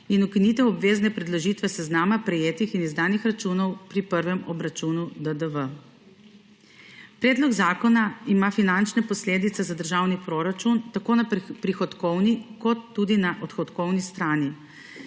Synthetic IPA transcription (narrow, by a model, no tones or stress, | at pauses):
inukiniːt̪ɛwɔbʋeːznɛpɾɛd̪loʒit̪ʋɛsɛznaːmapɾɛjeːt̪ixinizd̪aːnixɾat͡ʃunɔwpɾipəɾʋɛmɔbɾat͡ʃunud̪əd̪əʋə | pɾɛːd̪lɔɡzaːkɔnaimafinant͡ʃnɛpɔsleːd̪it̪sɛzad̪əɾʒaːwnipɾoɾat͡ʃunt̪akoːnapɾixɔt̪kɔwnikɔt̪ːuːd̪inaʔɔt̪xɔt̪kɔwnist̪ɾaːni